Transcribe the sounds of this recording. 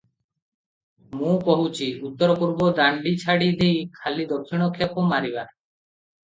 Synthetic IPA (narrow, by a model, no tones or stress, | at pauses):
mũkɔɦut͡ʃʰiut̪ːɔɾɔpuɾbɔd̪aɳɖit͡ʃʰaɽid̪ejkʰalid̪ɔɾkʰːiɽ̃ɔkʰapɔmaɾiba